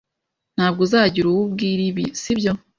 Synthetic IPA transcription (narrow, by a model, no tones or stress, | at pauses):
n̥haːb̚ɡozaːɟiɾuβubɡiːɾiβisibjo̞